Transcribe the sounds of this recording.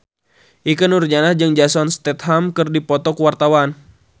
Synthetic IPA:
ʔik̬ənurd͡ʒanad͡ʒɨŋd͡ʒasɔnst̪ɛt̪̚ɦamkɨrdipɔt̪ɔkuwart̪awan

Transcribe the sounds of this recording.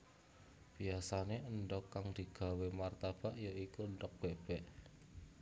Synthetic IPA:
b̥iasaneʔənɖɔkːaŋd̪̥i̤ɡ̥a̤wemart̪ab̥aʔjaikuənɖɔk̚b̥ɛ̤ʔb̥ɛʔ

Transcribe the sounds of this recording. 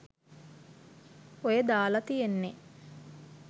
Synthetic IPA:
ojed̪aːlɐt̪ijenːe

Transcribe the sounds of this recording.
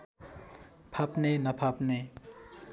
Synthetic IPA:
pʰapnenɐpʰapne

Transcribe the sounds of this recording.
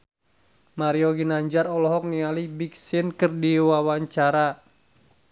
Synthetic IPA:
maɾioɡinaɲd͡ʒaɾɔlɔɦɔk̚nialibik̚sɪnkɨrdiwawaɲt͡ʃaɾa

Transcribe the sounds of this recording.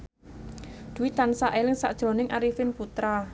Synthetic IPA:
d̪̥ṳwit̪ːansaʔelɪŋsa̰ʔd̥ʒ̥ɾo̤nɪŋʔaɾifɪnput̪ɾa

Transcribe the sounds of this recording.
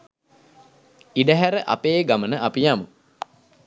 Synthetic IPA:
iɖəɦæɾəʔa̰peːɡamənəʔapijamu

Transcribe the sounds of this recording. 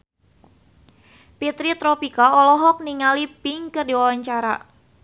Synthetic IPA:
pit̪ɾit̪ɾɔpikaɔlɔɦɔk̚niŋalipiŋkərdiwawaɲt͡ʃaɾa̰

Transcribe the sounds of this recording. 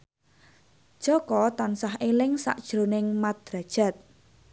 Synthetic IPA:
ʒ̥ɔkɔt̪ansaɦʔelɪŋsa̰ʔd̥ʒ̥ɾonɪŋmat̪̚ɾa̤d̥ʒ̥a̤t̪̚

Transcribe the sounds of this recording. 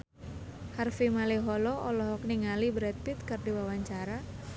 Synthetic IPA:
harfimaliɦɔlɔʔɔlɔɦɔk̚niŋalibɾɛt̪̚pit̪̚kɨrdiwawaɲt͡ʃaɾa

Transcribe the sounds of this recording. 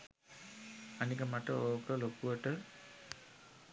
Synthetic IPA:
ɐnikɐmaʈəoːkəlokuʋɐʈə

